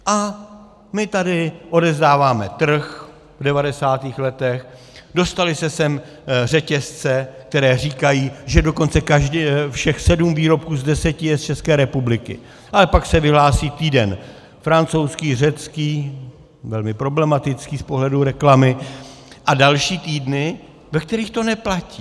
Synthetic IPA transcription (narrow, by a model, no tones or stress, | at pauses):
ʔa | mɪt̪adɪʔo̞dɛzdaːvaːmɛt̪r̩x | vdɛvadɛsaːt̪iːxlɛt̪ɛx | do̞st̪alɪsɛsɛm | r̝ɛcɛst͡sɛk̚t̪ɛɾɛːr̝iːkajiːʒɛdo̞ko̞nt͡sɛkaʒdɛfʃɛxsɛdumviːɾo̞p̚kuːzdɛsɛcɪjɛst͡ʃɛskɛːɾɛpublɪkɪ̰ | ʔalɛpaksɛvɪɦlaːsiːt̪iːdɛn | fɾant͡so̞wskiːrɛt͡skiː | vɛlmɪpɾo̞blɛmat̪ɪt͡skiːspo̞ɦlɛduɾɛklamɪ | ʔadalʃiːt̪iːdnɪ | vɛk̚t̪ɛɾiːxt̪o̞nɛplaciː